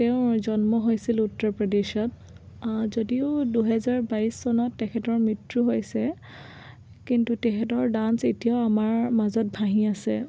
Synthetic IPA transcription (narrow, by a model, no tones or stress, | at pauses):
tɛʊ̃zɔnmɔɦojsilutːɔɹpɹɔdeʃɔt | zodiʊduɦɛzaɹbajsːɔnɔtːɛkʰɛtɔɹmɹitɹuɦojsɛ | kintutɛkʰɛtɔɹdansetijaʊamaɹmazɔt̚bʱaɦĩasɛ̰